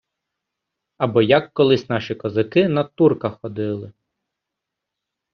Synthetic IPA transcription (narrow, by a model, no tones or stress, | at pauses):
ɐbɔjɐkːɔlˠɪsʲnɑʃikɔzɐkɪnɐt̪urkɐxɔd̪ɪlˠɪ